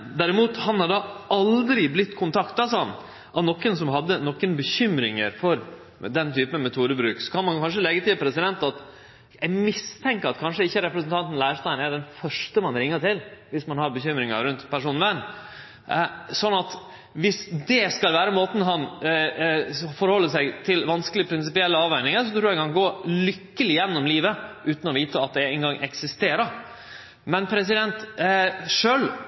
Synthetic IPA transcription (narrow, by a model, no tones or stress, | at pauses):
d̪æɾɪmuːt̪hɑnhɑɖɑɑld̪ɾɪblɪt̪ːkʰʊnt̪ʰɑkt̪ɑsɑn | ʔɑnɔkːənsɔmɦɑd̪ːənɔkːənbəçʏmɾɪŋəɾfɔɾ | d̪ɛnt̪yːpənmɛt̪ʰuːɾəbɾʉːksɔ̥kʰɑnmɑnkʰɑnʂ̬əlɛɡət̪ʰɪpʰɾɛsɪd̪ɛnt̪ɑt̪ | jɛmɪst̪ʰɛŋkəɾɑt̪kʰɑnʂəɪçːəɾɛpɾəs̬ənt̪ʰɑnt̪n̩læɪʂt̪ɑənæɖɛnfœʂʈəmɑnɾɪŋːəʈɪlʋɪsmɑnhɑɾbəçʏmɾɪŋə̰ɾʉnt̪pʰæʂuːnʋæn | sɔnːɑt̪ | ʋɪsd̪ɛskɑlʋæːɾəmoːt̪n̩ɦɑn | fɔɾhɔlːəsæɪt̪ʰɪlʋɑnskəlɪəpʰɾɪns̬ɪpɪɛlːəɑːʋæɪnɪŋəɾsɔt̪ʰɾuːækʰɑnɡoːlʏkːəlɪjɛnːɔmliːʋəʔʉːt̪n̩ɔʋiːt̪əɑt̪̚d̪ɛɛnɡɑŋːʔɛ̰ksɪst̪eːɾə | mɛnpʰɾɛs̬ɪd̪ɛnt̪ | ʂøːl